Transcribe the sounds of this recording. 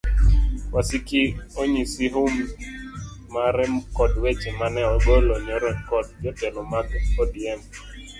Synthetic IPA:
wasikioɲisiɦum | aɾɛmkɔdwet͡ʃemanɛɔɡɔlɔɲɔɾɔnkɔd̚d͡ʒɔtɛlɔmakkɔdiɛm

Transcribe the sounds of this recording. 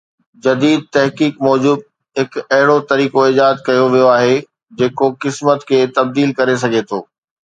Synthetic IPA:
d͡ʑɐd̪iːd̪̚t̪ɐɦkiːkmɔːd͡ʑuːb̚ | ɦɪkɐɦɪɽot̪ɐɾiːkoɪd͡ʑaːzkɐjoʋijoaːɦe | d͡ʑeːkokɪsmət̪kʰeːt̪ɐb̚d̪iːlkɐɾes̬ɐɡʱet̪ʰoː

